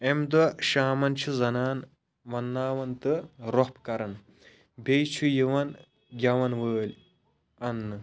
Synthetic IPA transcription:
emd̪ɔʃaːmɐnt͡ʃʰuzɐnaːn | ʋɐnːaːʋɐnt̪ɨɾohpkɐɾɐn | bʲejt͡ʃʰujiʋɐn | ɡʲɐʋɐnʋəːlʲ | ɐnːɨ

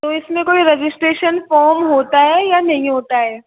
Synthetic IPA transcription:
t̪oɪsmẽkoːiɾɛd͡ʒɪsʈɾeːʃənfɔːɾmɦoːt̪aɦɛjanɐɦĩɦoːt̪aɦɛː

